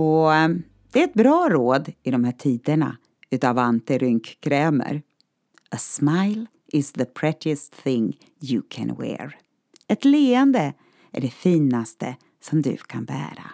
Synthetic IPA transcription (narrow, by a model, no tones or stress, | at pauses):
ɔ | d̪̥ɛæɾɛt̪̚bɾɑːɾoːd̪ɪd̪ɔmhæːʈʰiːd̪əɳa̰ | ʉ̟ːt̪ɑːvant̪əɾʏŋkkʰɾɛːmə̰ɾ | əsmaɪl | ɪsðəpʰɹɛt̪ɪəst̪θɪŋ | jukʰɛ̰̃nwɛ̰ɹ | ɛt̪leːənd̪ə | ʔæ̰ɖɛfiːnast̪ə | sɔmd̪ɵ̰kʰanbæ̰ːɾa̰